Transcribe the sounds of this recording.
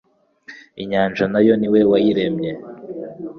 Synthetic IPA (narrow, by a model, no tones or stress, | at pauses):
iɲaːnd͡ʒanajo̞niwewajiɾemɲe